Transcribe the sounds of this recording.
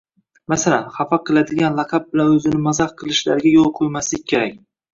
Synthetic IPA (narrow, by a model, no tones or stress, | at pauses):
masalanχɑfɑqʰɨlˠad̪ɪɡʲanlˠɑqʰɑp̚bɪlanɵzɪnɪmazɑχqʰɨlˠɪʃla̰ɾɡʲajolˠqʰojmaslɪk̚ʲkʲʰe̞ɾak̚ʲ